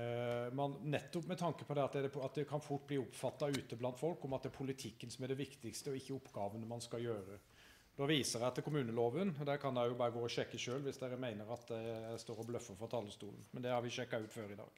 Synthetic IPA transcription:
mɛnnɛt̪ːɔpmɛt̪ʰɑŋkəpʰɔd̪ɛɑt̪̚d̪ɛd̪ɛɑt̪̚d̪ɛkʰɑnfʊʈ̚ːbliːʊpfɑt̪ːɑʉːt̪əblɑnt̪fɔlkɔmɑt̪d̪ɛæːɾpʰʊlɪt̪ʰɪkːənsɔmæɖɛʋɪkt̪ɪkst̪əɔɪçːəʊpːɡ̥ɑːʋənəmɑnskɑjøːɾə | d̪ɔːʋiːsəɾæt̪ːɛkʰʊmʉːnəloːʋənd̪æɾkʰɑnd̪æjʊbɑːɾəɡoːɔɕɛkːəʃøːlʋɪsd̪æːɾəmæɪnəɾɑt̪d̪ɛst̪oːɾɔblœfːəfɔt̪ʰɑlːəst̪uːln̩mɛnd̪ɛhɑɾʋɪɕɛkːɑʉːt̪føːɾɪd̪ɑ̰ːɡ̥

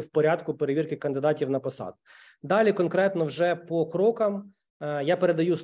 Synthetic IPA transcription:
wpɔɾʲad̪kʊpeɾeʋirkɪkɐnd̪ɪd̪ɑtʲiwnɐpɔsɑ̰d̪ʊ | d̪ɑlʲikɔnkɾɛt̪nɔwʒɛpɔkɾɔkɐm | japeɾe̞d̪ɐjus

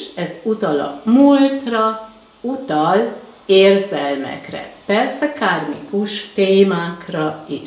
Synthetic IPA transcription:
ʃɛzut̪ɒlɒ̰mult̪rɒ | ut̪ɒl | eːrzɛlmɛ̰krɛ̰pɛrsɛkaːrmikuʃt̪eːmaːkrɒiʃ

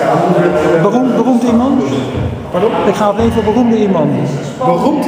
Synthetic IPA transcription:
bərumbərumtimɑnt | badɪkχaːejvəbərumdəimɑnt

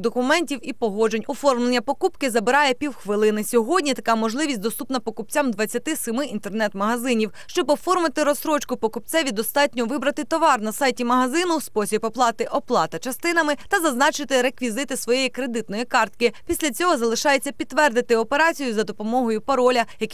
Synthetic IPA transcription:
d̪ɔkʊmɛnʲtʲiwipɔɦɔd͡ʒenʲɔfɔrmlˠenʲːɐpɔkupkɪzɐbɪɾɑjɛpʲiwxʋɪlˠɪnɪsʲɔɦɔdʲnʲit̪ɐkɑmɔʒlˠɪʋʲisʲtʲd̪ɔst̪upnɐpɔkʊp̚t͡sʲamd̪ʋɐt͡sʲːɐt̪ɪsɪmɪʔint̪ernɛt̪mɐɦɐzɪnʲiwʃt͡ʃɔbɔfɔrmɪt̪ɪɾɔsɾɔt͡ʃkʊpɔkʊp̚t͡s̪ɛʋʲid̪ɔst̪ɑt̚ʲnʲɔʋɪbɾɐt̪ɪt̪ɔʋɑrnɐsɑjtʲimɐɦɐzɪnʊspɔsʲibpɔplˠɑt̪ɪʔɔplˠɑt̪ɐt͡ʃɐst̪ɪn̪ɐmɪt̪ɐzɐznɑt͡ʃɪt̪ɪɾekʋʲizɪt̪ɪsʋɔjejikɾed̪ɪt̪nɔjikɑrt̪̚kɪpʲisʲlʲɐt͡sʲɔɦɔzɐlˠɪʃɑjet͡sʲːɐpʲit̪ːʋɛrd̪ɪt̪ɪɔpeɾɑt͡sʲijʊzɐd̪ɔpɔmɔɦɔjʊpɐɾɔlʲɐjɐk

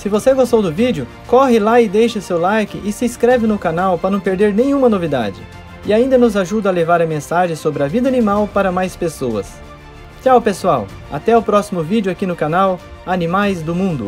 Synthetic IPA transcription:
sɪvoseɡost̪owd̪ʊvid͡ʒʊ | kɔɦɪlaɪd̪ejʃɐsewlajkɪʔɪsɪskɾɛvɪnʊkanawpɾɐnɐ̃w̃peɾd̪eɾnẽj̃ũmɐnovid̪a̰d͡ʒɪ̰ | ɪaĩnd̪ɐnʊzaʒud̪ɐɐlevaɾɐmẽsaʒẽj̃sobɾɪɐvid̪ɐanimawpaɾɐmajspesoɐ̰s | t͡ʃawpesuaw | a̰t̪ɛʊpɾɔsimʊvid͡ʒʊakinʊkanaw | anĩmajzd̪ʊmũnd̪ʊ̰

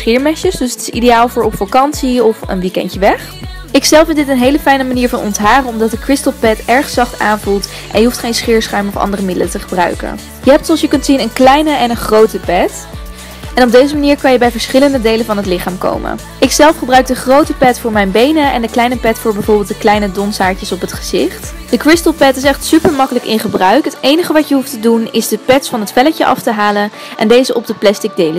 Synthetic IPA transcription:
sχɪːɹmɛʃəsdɵsətɪ̥sḭdejaːlˠvʊːɹɔpfɑkɑnsiɔfə̰nʋikɛ̰ntəʋɛχ | ɪksɛlˠfɪndɪtənɦejləfɛjnəmaniːɹvɑnɔ̰ntɦaːχənɔmdɑt̚əkrɪstəlˠpɛtɛɹχsɑχta̰ːnvulˠt | ʔɛ̰njəɦuftχejnsχɪːɹsχœɥmɔfɑ̰ndərəmɪdələtəχəbrœ̰ɥkə̰ | jəɦɛp̚tsoɑlˠsjəkɵntsinənklɛjnəʔɛnənχrowtəpɛt | ɛnɔb̚dejzəmaniːɹkɑnjəbɛjvəɹsχɪləndədejlənvɑnɦətlɪχaːmko̰wmə̰ | ɪksɛlˠfχəbrœɥk̚dəχrowtəpɛtfʊːɹmɛjnbejnəɛ̰ndəklɛjnəpɛtfʊːɹbɛjvʊːɹbɪlˠt̚dəklɛjnədɔnsaːɹcəsɔpɦətχəz̥ɪχt | d̥əkɹɪstəlˠpɛtɪsɛχtsypəɹmɑkələkɪ̰nχəbrœɥkɦətejnəχəʋɑcəɦuftədunɪzdəpɛtsfɑnɦətfɛləcəʔɑ̰ftəɦaːlən | ʔɛndejzəʔɔb̚dəplɛstɪɡ̚dejlə

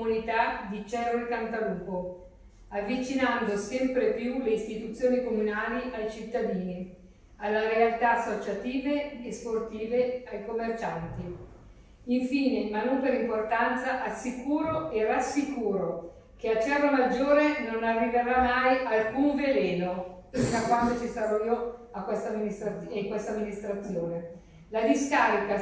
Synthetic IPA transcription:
unit̪ad̪it͡ʃɛrokant̪aluːpo | avːit͡ʃinand̪osɛmpɾepjuleist̪it̪ut̪sːjoːnikomunaːliʔajt͡ʃit̪ːad̪iːni | alːaɾealt̪aasːot͡ʃat̪iːveːsport̪iːveajkomːert͡ʃant̪i | iɱfiːnemanːompeɾimport̪ant̪saʔasːikuːɾoerasːikuːɾo | keat͡ʃːɛrːomad͡ʒːoːɾenonarːiveɾamːajalkuɱvelɛːnoakwand̪ot͡ʃist̪aɾɔiːoakːwest̪amːinist̪ɾaekwest̪amːinist̪ɾat̪sːjoːne | lad̪iskaːɾika

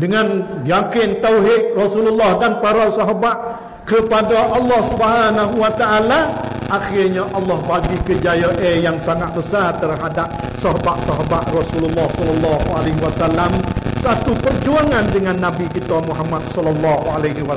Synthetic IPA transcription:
dəŋanjakɪnt̪auɦɪʔrɔsululːɔhdanpaɾasɔɦabaʔ̪̚ | kəpadaʔɑlːɑhsubəɦanaɦuwat̪aʔala | ʔaxɪrɲaʔɑlːɔhbaɡikəd͡ʒajəʔejaŋsaŋat̪̚bəsart̪ərɦadap̚ | sɔɦabat̪̚sɔɦabat̪̚rɔsululːɔhsɔlːɔlːɑɦualeɦiwasalːamsat̪upərd͡ʒuaŋandəŋanːabikit̪amuɦamat̪̚sɔlːɔlːɔɦualaɦwa

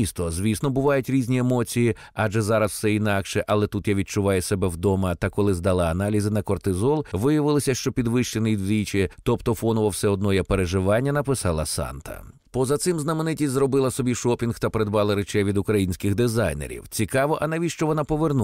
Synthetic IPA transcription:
ist̪ɔzʲʋʲisnɔbʊʋɑjʊtʲɾʲizʲnʲiemɔt͡sʲiji | aʒɛzɑɾɐswsɛinɑkʃɛʔɐlˠɛt̪ut̪jaʋʲid̪̚t͡ʃʊʋɑjʊsɛbɛwd̪ɔmɐt̪ɐkɔlˠɪzd̪ɐlˠɑɐːnɑlʲizɪnɐkɔrt̪ɪzɔlˠʋɪjɐʋɪlˠɪsʲɐʃt͡ʃɔpʲid̪ʋɪʃt͡ʃenɪjd̪ʲlʲit͡ʃɪt̪ɔpt̪ɔfɔnʊʋɐwsɛɔd̪̚nɔjɛpeɾeʒɪʋɑnʲːɐnɐpɪsɑlˠɐsɑ̰nt̪ʰɐ̰ | pɔzɐt̪sɪmznɐmenɪtʲisʲzrɔbɪlˠɐsɔbʲiʃɔpʲinxt̪ɐpeɾed̪bɑlˠɐɾet͡ʃɛjʋʲid̪ʊkɾɐjinʲsʲkɪxd̪ɪzɑjnḛɾʲḭwt͡sʲikɑʋɔʔɐnɐʋʲiʃt͡ʃɔʋɔnɑpɔʋernu

